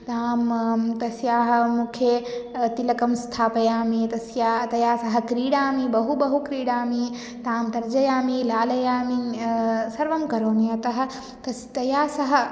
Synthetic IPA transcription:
t̪aːmt̪ɐsjaːɦɐ̆mukʰjet̪ilɐkɐmst̪ʰaːpɐjaːmit̪ɐsjaːt̪ɐjaːsɐɦɐ̆kɾiːɽaːmibɐɦubɐɦukɾiːɽaːmi | t̪aːmt̪ɐɾd͡ʒɐjaːmilaːlɐjaːmi | sɐɾʋɐmkɐɾoːnijɐt̪ɐɦɐ̆ | t̪ɐst̪ɐjaːsɐɦɐ̆

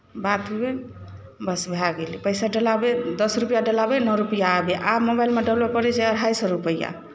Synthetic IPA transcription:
bat̪ʰɦebe | bəsbʱlaɡelipəjsaɖəlabed̪ʌsɾupjaɖəlabenɔɾupijaːbeʔamobajlmeɖəbləp̚kɔɾɛt͡ʃaəɽɦajsɔɾupəja̰

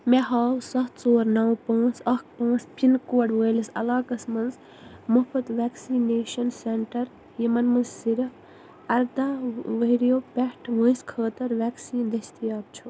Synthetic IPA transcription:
meɦaːwsɐht̪soːɾnɐwpãːt͡sʰɐkpãːt͡spinkoːɖʋəjlisɐ̰laːkɐsmɐnz | mupʰɐt̪ʋeːksineːʃɐnseɳʈɐɾ | jimɐnmɐnzsiɾ | ɐɾd̪aːʋɐiɾjoːpeʈʰʋə̃ːskʰəːt̪ɐɾʋeːksiːnd̪ɐst̪ijaːb̚t͡ʃʰu

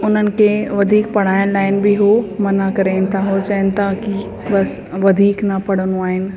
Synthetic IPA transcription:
ʊn̤ənɪ̆kʰeːʋɐd̪ʱiːk̚pɐɽ̤aːɪənlaːɪn̆bɪɦomɐnakɐɾeːnɪt̪ʰaɦot͡ɕɐɪənɪ̆t̪ʰaki | bɐs | ʋɐd̪ʱiːknɐpɐɽ̤ənuaːɦɪnɪ̆

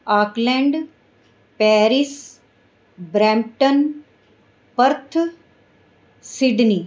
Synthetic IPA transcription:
aːklɛ̃ɳɖ | pɛːɾis | bɾɛːmʈən | pəɾt̪ʰ | siɖniː

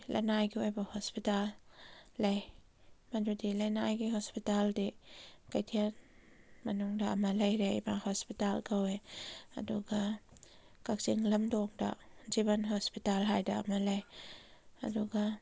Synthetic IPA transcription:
lʔa̰najkiwɔjbɔhɔspitalː | ej | mand͡ʒudilanajkihɔspitaldikajtʰiən | manuŋdaʔmalejɾɛʔbahɔspitalkawɛʔa̰duɡa | kak̚ziŋlamdɔŋda̰ʔzibanɦɔspitalɦajda̰ʔmalej | ʔa̰duɡa

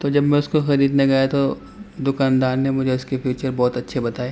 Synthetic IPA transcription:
t̪oːd͡ʒɐbmɛ̃ʊskoxɐɾiːd̪nɐɡajat̪o | d̪ʊkaːnd̪aːɾnemʊd͡ʒʱeʊskepʰjuːt͡ʃəɾbɔːt̪ɐtːʃʰebɐt̪aːeː

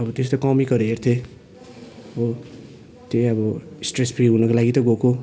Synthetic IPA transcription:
ʌbʌt̪est̪okʌmikʌɾeɦert̪ʰe | o | t̪eʌbʌsʈrespʰriɦunʌkolaɡit̪ʌɡoko

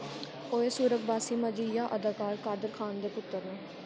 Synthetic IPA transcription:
oːeːsuːɾək̚baːsiːməd͡ʒiːjaːʔəd̪aːkaːɾkaːd̪əɾkʰaːnd̪eːpʊt̪ːəɾnẽː

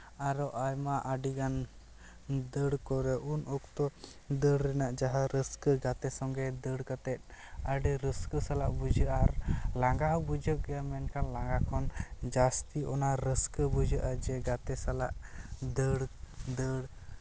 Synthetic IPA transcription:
aɾɔʔajmaʔaɖiɡan | d̪əɽkɔɾɛʔunɔk̚t̪ɔ | d̪əɽɾɛnaʔd͡ʒaɦaɾəskɡat̪ɛsɔŋɡɛd̪əɽkat̪ɛt̪̚ˀaɖiɾəskəsalaʔbud͡ʒəʔaɾlaŋɡaɦbud͡ʒəʔɡamɛnkʰanlaŋɡakʰɔnd͡ʒast̪iɔnaɾəskəbud͡ʒəʔad͡ʒɛɡat̪ɛsala̰ʔd̪əɽd̪əɽ

